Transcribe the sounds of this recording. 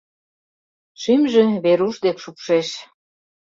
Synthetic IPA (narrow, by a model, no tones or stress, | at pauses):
ʃymʒĕβeɾuʃd̪ekʃupʃeʃ